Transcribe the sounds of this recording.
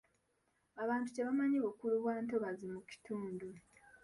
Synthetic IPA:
aβaːntuceβamaɲiβukuluβwaːntoβazimuci̥tuːndu

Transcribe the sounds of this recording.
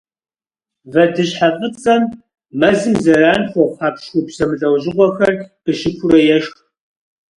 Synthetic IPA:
vɐdɨɕħafət͡sʼɐm | mɐzɨmzɐraːnxʷɔχaːpʃwʷʊpsɐmɨɮɐwʑɪʁʷɔxɐrb̥ɨʃɪkʷʰʊrɐjɛʃx

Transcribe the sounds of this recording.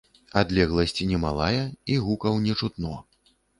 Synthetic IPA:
ad̪lʲɛɣlˠɐsʲt͡sʲinʲɛmalˠajɐiɣukɐwnʲɛt͡ʂut̪nɔ

